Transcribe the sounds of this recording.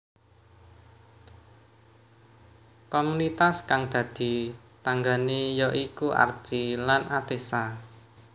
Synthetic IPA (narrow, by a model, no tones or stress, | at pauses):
komunit̪askaŋd̪̥ä̤d̪̥i̤ | t̪aŋɡanejɔʔikua̰r̥ʒ̥ilanʔat̪esa